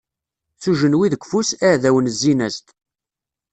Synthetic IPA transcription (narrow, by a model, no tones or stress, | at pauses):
θuʒənwiðəɡʷfusæʕðæwənəzːinæst̪